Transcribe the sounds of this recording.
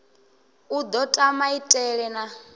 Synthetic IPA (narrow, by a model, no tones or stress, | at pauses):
ud̪ɔtʼamaitʼɛɺɛna